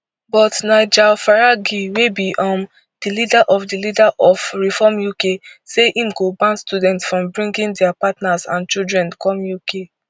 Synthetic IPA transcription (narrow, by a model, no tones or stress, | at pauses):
bɔtnaɪd͡ʒalfaɹaɡiwebiʔɔ̃m | d̥ilidaʔɔfdilidaʔɔfɹifɔmjukeseʔĩmɡobãnstudɛ̃ntsfɹɔ̃mbɹĩŋɡĩndɛapatnazã̰nt͡ʃildɹɛ̃nkʰɔ̃mjuke